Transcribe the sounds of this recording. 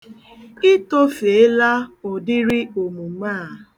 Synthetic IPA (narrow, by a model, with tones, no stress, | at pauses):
ɪ˦to˦fe˨e˦la˦o˨dɪ˦ɾi˦o˨mu˨˦maː˦˨